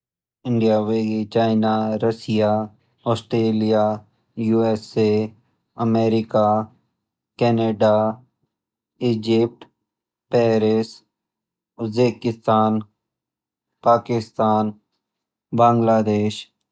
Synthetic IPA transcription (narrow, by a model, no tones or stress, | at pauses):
ɪ̃ɳɖijaʋeːɡet͡ʃaːɪnaɾɐsɪja | ɔːsʈɾeːlija | juɛse | əmeːɾɪka | kɛːneːɖa | ɪːd͡ʒɪp̚ʈ | pɛːɾes | ʊzbeːkɪst̪aːn | paːkɪst̪aːn | bãːŋɡlaːd̪eːʃ